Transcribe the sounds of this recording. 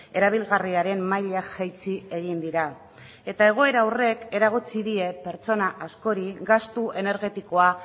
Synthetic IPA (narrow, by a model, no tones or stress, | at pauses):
e̞ɾaβ̞ilɣariaɾe̞mmajʎasajt͡sie̞ɣind̪iɾa | e̞t̪ae̞ɣ̞o̞e̞ɾawre̞ke̞ɾaɣ̞ut͡siðie̞pe̞ɾt͡so̞naʔasko̞ɾiɡast̪ue̞ne̞ɾɣe̞t̪iko̞a